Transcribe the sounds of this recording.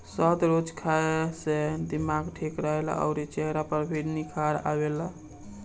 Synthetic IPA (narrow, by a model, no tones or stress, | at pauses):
sət̪ɾot͡ʃkʰased̪imaɡʈʰekɾəɦela̰ə̰ʊɾit͡ʃəɦɾapəɾbʱiɽnikʰaɾa̰bela